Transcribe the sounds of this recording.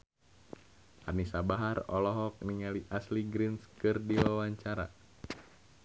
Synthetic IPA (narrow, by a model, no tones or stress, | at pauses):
ʔa̰rnisabaɦarɔlɔɦɔk̚niŋaliʔasliɡɾinskɨrdiwawaɲt͡ʃaɾa̰